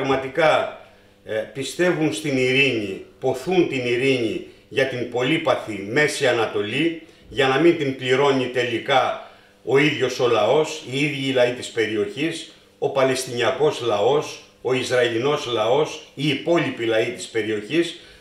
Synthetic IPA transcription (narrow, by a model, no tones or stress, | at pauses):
pɐɣmɐt̪ikɐ | pist̪e̞vunst̪iniɾiɲipo̞θunt̪iniɾiɲiʝɐt̪imbo̞lipɐθime̞siɐnɐt̪o̞li | ʝɐnɐmint̪impliɾo̞ɲit̪e̞likɐ | o̞iðʝo̞so̞lɐo̞siiðʝilɐit̪ispe̞ɾio̞çis | o̞pɐle̞st̪iɲiɐko̞zlɐo̞s | o̞izɾɐilino̞zlɐo̞siːpo̞lipilɐit̪ispe̞ɾio̞çis